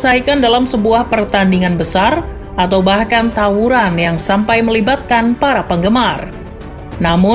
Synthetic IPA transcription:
saikandalamsəbuahpərt̪andiŋanbəsar | ʔat̪awbahkant̪auɾanjaŋsampajməlibat̪̚kanpaɾapəŋɡəmar | namʊ

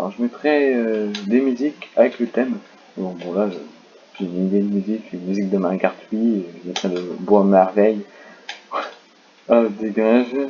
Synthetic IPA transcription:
ɔ̰ʒəmɛt̪χɛød̪emyzikavɛklət̪ɛm | bɔ̃bɔ̃laʒə | ʒeynid̪ed̪əmyzikːnmyzik̚d̪əmãʁɡaʁt̪ʰɥiʒəmɛt̪χɛləbwamɛʁvɛj | ad̪eɡaʒ

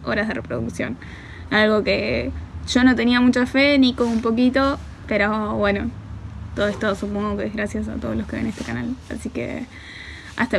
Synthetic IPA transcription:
o̞̰ɾazðe̞repɾoðuksjo̞̰n | alɣo̞keʒo̞no̞t̪e̞niamut͡ʃafenikoumpo̞k̬it̪o̞ | peɾoβwenot̪oðoest̪osupoŋɡokeɣɾasjas̬a̰t̪oðolokeβḛne̞st̪e̞kanala̰sikḛ | a̰st̪a

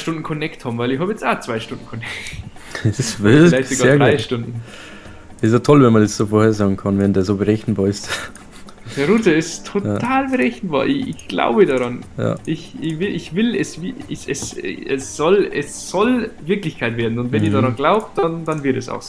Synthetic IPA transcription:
ʃtʊndn̩kʰɔnɛkthaːbm̩vaɪɪçhɑːbjɛt͡saːt͡sv̥aɪʃtʊndn̩kʰɔnɛkɛsvɪfɪlaɪçtsoɡaːeːɐdʁaɪʃtʊndn̩ | ɪstjatʰɔlvɛnmɐndɛsz̥oːfoːɐheːɐzɑːɡŋ̩kʰɑnvɛndeːɐzoːbəʁɛçn̩bɑːɐɪst | d̥ɛɐɾuːtəɪstʰotʰaːlbəʁɛçn̩ba̰ːɐʔɪçɪ̰çɡ̥la̰ʊbədaʁɑnja̰ʔɪçɪçvɪlʔɪçvɪlɛsvɪɪsɛsɛsz̥ɔlɛsz̥ɔlvɪɐklɪçkʰaɪtveːɐdn̩ʊntvɛniːɐdaʁɑnɡlaʊp̚t̚d̥andanvɪɐtɛsa̰ʊxs

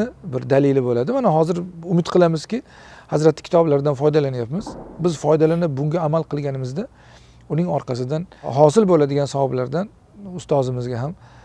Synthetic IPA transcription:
ɪbɪɾd̪alɪlɪbolad̪ɪmanaɦɒzɪɾʊmɪt̪qʰɨlˠamɪzkʲɪ | hazɾat̪ʰːɪ̥kʲʰɪ̥t̪ʰɒblaɾd̪anfɒjd̪alanajapmɪz̥bɪzfɒjd̪alanɪp̚bʊŋɡʲaːmalˠqʰɨlˠɡʲanɪmɪzd̪a | ʊnɪŋɒɾqʰɑsɪd̪anɦɒs̬ɪlbolad̪ɪɡʲansavɒblaɾd̪an | ʊst̪ɒzɪmɪzɡʲaɦam

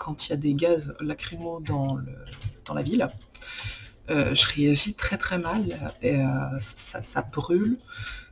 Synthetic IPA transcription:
kʰɑ̃t̪ʰiljad̪eɡʲazlakχimod̪ɑ̃ləd̪̥ɑ̃la̰vil | ø̰ʒəʁeaʒit̪χɛt̪χɛmaleøsasa̰sabʁyl

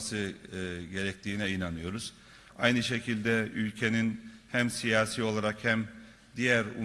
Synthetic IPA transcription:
sɯɟe̞ɾɛc̚t̪ʰiːnɛinanɯjo̞ɾuz̥ | ajnɯʃe̞cʰilʲd̪ɛylʲcʰe̞ninhæmsijaːsiːo̞lˠaɾakhæm | d̪ijæɾṵ

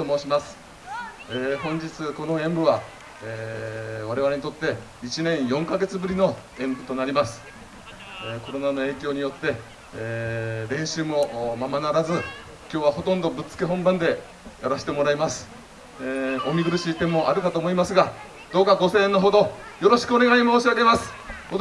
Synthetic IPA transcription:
omoːɕimasɨ̥ | eːɦõ̞ɲ̟d͡ʑit͡sɨko̞no̞ẽ̞mbɯ̟βa | eβaɾe̞βaɾe̞ɲit̪o̞t̪ːe̞ | it͡ɕinẽ̞ɰ̃jõ̞ŋkaɡe̞t͡sɨbɯ̟ɾʲino̞ | ẽ̞mbɯ̟t̪o̞naɾʲimasɨ̥ | eko̞ɾo̞nano̞e̞ːkʲo̞ːɲ̟ijo̞t̪ːe̞ | ɾẽ̞ɰ̃ɕɨːmo̞mamanaɾazɨ | kʲo̞ːβaɦo̞t̪õnd̪o̞bɯ̟t͡sɨ̥keɦõ̞mbãnd̪e̞ | jaɾaɕi̥t̪e̞mo̞ɾaimasɨ̥ | omʲiɡɯɾɯ̟ɕit̪e̞mo̞ʔaɾɯ̟kat̪oːmo̞imasɨɡa | d̪̥o̞ːkaɡo̞sẽ̞ːnːoɦo̞d̪o̞jo̞ɾo̞ɕi̥kɯo̞ne̞ɡaɲʲimoːɕiaɡe̞masɨ̥ | o

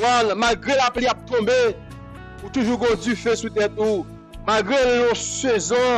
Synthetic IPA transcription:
anmalɡʁelapliap̚t̪ɔ̃be | ut̪uʒuɡɔ̃dyfesut̪ɛt̪̚u | malɡʁeliõsezɔ̃

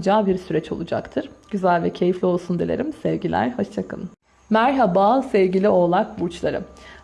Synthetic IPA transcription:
d͡ʒaːbiɾsyɾɛt͡ʃʰo̞̰lˠud͡ʒa̰kt̪ʰɯɾ̥ɟ̥yzælʲvɛcʰe̞jiflʲio̞lˠsund̪elʲḛɾʲimsɛvɟilʲæ̰ɾhot͡ʃt͡ʃʰakʰɯ̰n | mæɾɦabaːsɛvɟilʲio̞ːlˠak̚buɾt͡ʃlˠaɾɯ̰

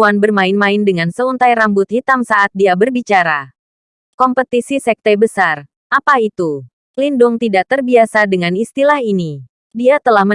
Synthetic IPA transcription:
anbərmaɪnmaɪndəŋansəunt̪ajrambʊt̪̚hit̪amsaʔat̪̚diabərbit͡ʃaɾa | kɔmpət̪isisɛk̚t̪ɛbəsar | ʔapait̪u | lindʊŋt̪idaʔt̪ərbiasadəŋanist̪ilahini | diat̪əlahmə

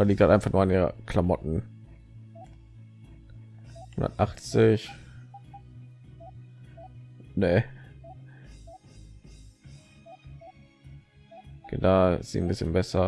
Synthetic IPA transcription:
aːliːkthaltʔaɪnfaχnʔuːɐanʔiːʁə̰kʰlamɔtn̩ | hʊndɐ̰tʔaχt͡sɪç | ne | ɡ̥ḛdaz̥ḭːn̩bɪsçənbɛsɐ

